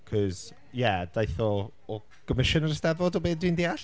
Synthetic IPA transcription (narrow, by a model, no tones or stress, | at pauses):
kʰɔz̥ | jɛd̥ajθɔ | ɔ | ɡ̥ɔmɪʃənəɾəstɛvvɔdɔbeːddwindiːaɬ